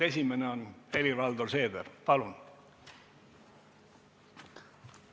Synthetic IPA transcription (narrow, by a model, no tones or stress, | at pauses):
e̞sʲimeneone̞livɑld̪orse̞ːd̪erpɑlun